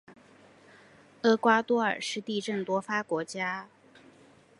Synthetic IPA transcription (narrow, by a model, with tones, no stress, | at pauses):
ɤ˥kwa˥t̪wɔ˥ə̰˞˨˩ʂɻ̩˥˧t̪i˥˧ʈ͡ʂə˥˩ŋt̪wɔ˥fa˥kwɔ˧˥t͡ɕja˥